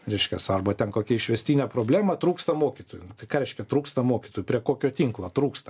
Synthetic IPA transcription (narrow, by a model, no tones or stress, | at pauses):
ɾʲɛɪʃʲkʲɛsɐrbɐt̪ʲɛnkoːkʲɛɪʃʲʋʲɛsʲt̪ʲiːnʲɛːpɾoːbʲlʲæːmɐt̪ɾuːkst̪ɐmoːkʲit̪oːjʊʊt̪ɐɪkɑːɾʲɛɪʃʲkʲɛt̪ɾuːkst̪ɐmoːkʲiːt̪oːjʊpʲɾʲiɛkoːkʲoːt̪ʲiːŋklˠoːt̪ɾuːkst̪ɐ